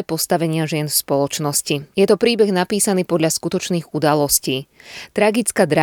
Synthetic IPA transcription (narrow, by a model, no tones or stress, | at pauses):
ɛpɔst̪aʋɛɲɪaʒɪɛnfspɔlɔt͡ʃnɔscijɛt̪ɔpɾiːbɛɣnapiːsaniːpɔd̪ʎaskut̪ɔt͡ʃniːɣud̪alɔsciːt̪ɾaɡit͡skad̪ɾa